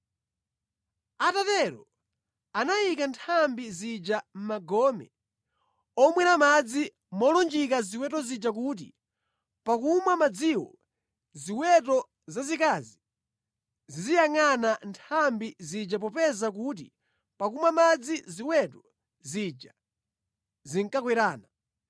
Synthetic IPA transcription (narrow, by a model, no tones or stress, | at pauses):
atatɛɾɔ | anajikantʰambizid͡ʒam̩maɡɔmɛ̰ | ɔmwɛnamad͡zi | mɔlɔnd͡ʒikaziwɛtɔzid͡ʒak̬uːt̬ḭ | pakumwamad͡ziwɔ̰ | ziwɛtɔ | zazikazi | zizijaŋanantʰambizid͡ʒap̬ɔpɛzak̬ut̬ḭ | pakumwamad͡ziziwɛtɔ | zid͡ʒa | ziŋkakwɛɾaːna